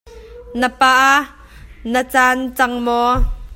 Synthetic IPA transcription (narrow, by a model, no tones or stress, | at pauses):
nəpaːʔa | nət͡saːnt͡sɐŋmɔː